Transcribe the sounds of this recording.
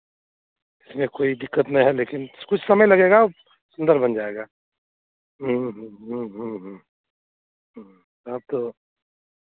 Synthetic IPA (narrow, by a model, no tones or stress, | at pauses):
ɪsmẽkoːid̪ɪkːət̪nɐĩɦɛleːkɪnkʊt͡ʃʰsɐməjlɐɡeːɡa | sʊ̃nd̪əɾbɐnd͡ʒaːeːɡaː | ɦɦɦɦə̃ɦə̃ | ɦ | ɐb̚t̪o